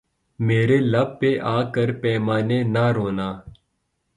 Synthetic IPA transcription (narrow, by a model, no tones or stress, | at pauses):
meːɾeːləb̚peʔaːkəɾpɛːmaːneːnaɾoːnaː